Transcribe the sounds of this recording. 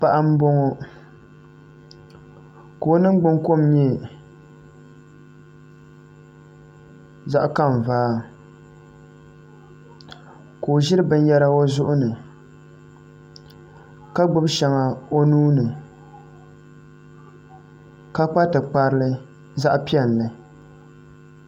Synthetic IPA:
pa˨ʔa˦m̩˦bo˦ŋo˦ | ko˨˦nɨ˦ŋ͡mɡ͡bʊ˦ŋko˦˨m˦ɲɛ˦ | za˦ʔka˦˨m˨vaː˦ | ko˨ʒɪ˦ɾɨ˦bɨ˦n˦jɛ˦ɾa˦o˦zʊ˦ʔʊ˦nɨ˨ | ka˦ɡ͡bʊ˦bʃɛ˨ŋa˨o˦nuː˦nɨ˨ | ka˦k͡pa˦tɨ˨k͡pa˦ɾɨ˦lɨ˦ | za˦ʔpi˦ɛ˦˨n˨lɨ˨

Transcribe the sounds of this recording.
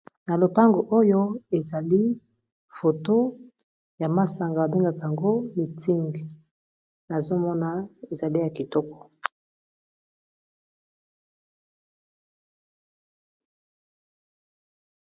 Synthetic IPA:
na˨lo˨pa˦ŋɡo˨ʔo˦jo˦e˨za˨li˦ | fo˨to˦ | ja˨ma˨sa˨ŋɡa˨a˨be˦ŋɡa˨ka˨ja˨ŋɡo˦mi˨tʰi˦ŋɡi˨ | na˨zo˦mɔ˦na˨e˨za˨li˦ja˨ki˨tɔ˦kɔ̥˨

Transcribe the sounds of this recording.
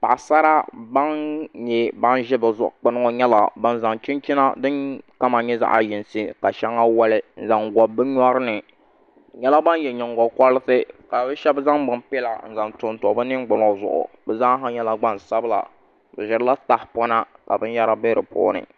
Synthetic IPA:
pa̰˨sa˦ɾa˦ba˦nɲɛ˦ba˦nʒɛ˦bɨ˨zʊ˨ʔk͡pʊ˦n˦ŋo˨ɲɛ˦la˨ba˦n˦za˨ŋt͡ʃɪ˦nt͡ʃɪ˦na˦dɨ˦ŋka˦ma˨ɲɛ˦za̰˦ʔa̰˦jɪ˨nsɨ˦ka˨ʃɛ˦ŋːa˦wa˦lɪ˦n̩˦za˨ŋɡɔ˨bɨ˦ɲɔ˦ɾɨ˦nɨ˨ | ɲɛ˦la˦ba˦n˦jɛ˨ɲɪ˨ŋ˨ɡɔ˨kɔ˦lɨ˦sɨ˦ka˨bɨ˦ʃɛ˦bza˦ŋbɨ˨mpɛ˦la̰˨n̩˨za˨ntʊ˨ntɔ˨˦bɨ˦nɨ˦ŋɡ͡bʊ˨n˦ŋ˨zʊ̰˨ʔʊ̰˨bɛ˨za˦ŋ˦ɦa˦ɲɛ˦la˨ɡ͡ba˦nsa˦bɨ˦la̰˨ | bɨ̰˨ʒɪ˨ɾla˦ta˦hpɔ˦na˦ka̰˨bɨ˦n˦ja˦ɾa˦be˦ɾɨ̰˨pʰo̰ː˦nɨ̰˨

